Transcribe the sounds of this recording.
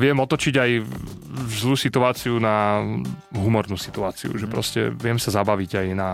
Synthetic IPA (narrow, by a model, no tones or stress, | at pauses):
ʋɪɛmɔt̪ɔt͡ʃiɟaj | vzlˠuːsit̪uaːt͡siuna | ɦumɔɾnuːsi̥t̪uaːt͡sḭṵʒɛpɾɔ̰scɛ̰ʋɪɛmsazabaʋiɟajna